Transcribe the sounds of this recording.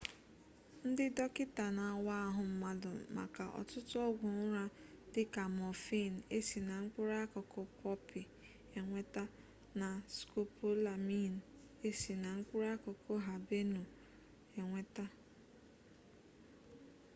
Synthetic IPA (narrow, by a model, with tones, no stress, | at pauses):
n̩˦dɪ˦dɔ˦kɪ˦ta˨na˨wa˦ɦʊ˨m̩˦ma˦dʊ̰˨ma̰˨ka̰˨ʔɔ̰˨tʊ˦tʊ˦ɔ˦ɡʷʊ˨ŋʊ˦ɾa˦ | dɪ˦ka˨mɔ˨fi˦˨n̩˨e˦si˨na˨ŋ̩˦k͡pʊ˦ɾa˦kʊ˨kʰɔ˦pʰɔ˦pɪ˨ | e˨ŋʷe˦ta˦ | na˨sko˦po˦la˨mi˦n̩˨ | e˦si˨na˨ŋ̩˦k͡pʊ˦ɾa˦kɔ˨kʰo˦ɦa˨be˦nu˨ | e˨ŋʷe˦ta˦